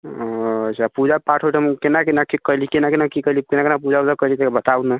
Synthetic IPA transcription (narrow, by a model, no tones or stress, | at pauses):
ət͡ʃʰapud͡ʒapaʈʰoʈʰəmkenakenakikəlikenakenakikəɦlikenakenap̬ud͡ʒaud͡ʒakəlit̪ebət̪auna